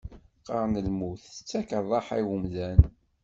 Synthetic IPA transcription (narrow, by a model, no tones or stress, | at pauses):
qəɾˤnəlmuθət͡sːækəɾˤðˤɑħiwəmðæn